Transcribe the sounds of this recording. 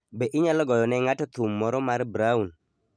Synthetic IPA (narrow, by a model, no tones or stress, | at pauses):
beʔɪɲalɔɡɔjɔnɛŋatɔt̪umːɔɾɔmaɾbɾaun